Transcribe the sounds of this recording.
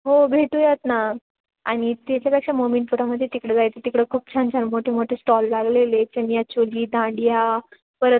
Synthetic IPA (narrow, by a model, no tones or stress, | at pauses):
ɦobʱeʈujat̪na | a̰ɽ̃it̪et͡ɕjapjakʂamomeɳʈpuɾaməd̪ʱjet̪ikɽed͡zajt͡s̪et̪ikɽekʰuːp̚t͡ɕʰãnt͡ɕanmoʈʰemoʈʰesʈɔlːaɡlelet͡ɕənjat͡ɕoliːd̪ãɳɖija | pəɾə